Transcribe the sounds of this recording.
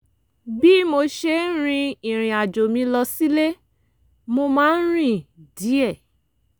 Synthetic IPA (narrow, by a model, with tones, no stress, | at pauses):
bi˦mo˧ʃe˧˦ɾ̃ĩ˧ĩ˨ɾ̃ĩ˨a˨d͡ʒo˨mĩ˧lɔ˧si˦le˦ | mo˧mãː˦n̩˦ɾ̃ĩ˦˨di˨˦ɛ˦˨